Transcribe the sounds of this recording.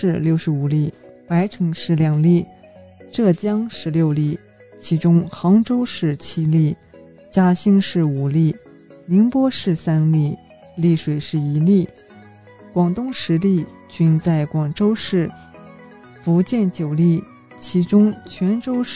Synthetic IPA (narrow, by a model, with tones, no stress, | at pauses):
ɻ̩˥˧ljo˥˩ʊʂɻ̩˧˥u˨˩li˥˩pa˧˥ɪʈ͡ʂʰɤ˧˥ŋʂɻ̩˥˧ljɑ˨˩ŋli˥˩ | ʈ͡ʂɤ˥˩t͡ɕjɑ˥ŋʂɻ̩˧˥ljo˥˧ʊli˥˩ | t͡ɕʰi˧˥ʈ͡ʂʊ˥ŋxɑ˧˥ŋʈ͡ʂo˥ʊʂɻ̩˥˩t͡ɕʰi˥li˥˩ | t͡ɕja˥ɕi˥ŋʂɻ̩˥˩u˨˩li˥˩ | li˧˥ŋpwɔ˥ʂɻ̩˥˩sa˥nli˥˩ | li˥˩ʂwe˨˩ɪʂɻ̩˥˩i˧˥li˥˩ | kwɑ˨˩ŋt̪ʊ˥ŋʂɻ̩˧˥li˥˩t͡ɕy˥nt͡sa˥˩ɪkwɑ˨˩ŋʈ͡ʂo˥ʊʂɻ̩˥˩ | fu˧˥t͡ɕjɛ˥˩nt͡ɕjo˨˩ʊli˥˩ | t͡ɕʰi˧˥ʈ͡ʂʊ˥ŋt͡ɕʰɥɛ˧˥nʈ͡ʂo˥ʊ